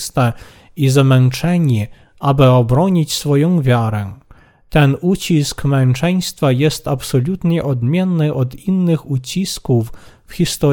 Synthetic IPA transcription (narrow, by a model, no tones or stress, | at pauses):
st̪ɛ | izamɛnt͡ʂɛɲi | ʔabɘɔbɾɔɲit͡ɕsfɔjɔ̃w̃vʲjaɾɛ | t̪ɛnut͡ɕiskmɛnt͡ʂɛj̃st̪fajɛst̪apsɔlʲut̪ɲɛʔɔd̪mʲjɛnːɘʔɔd̪inːɘxut͡ɕiskufː | xʲist̪ɔ